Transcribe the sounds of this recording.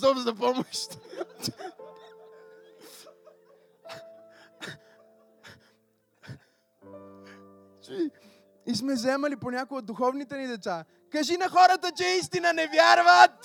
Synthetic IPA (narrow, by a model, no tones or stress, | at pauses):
ɔmzɐpɔmoʃt̪ | ismɛzɛmɐliponʲakoɡod̪uxɔvnit̪ɛnid̪ɛt̪sa | kɐʒinɐxɔɾət̪ət͡ʃɛis̬t̪inənɛvjaɾvət̪